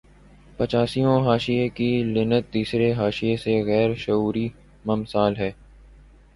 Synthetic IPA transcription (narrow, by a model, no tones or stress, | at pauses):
pɐt͡ʃaːsijõɦaːʃiekilɪnət̪̚d̪iːsɾeɦaːʃɪjeseɣɛːɾʃɐuːɾi | mɐmsaːlɦɛː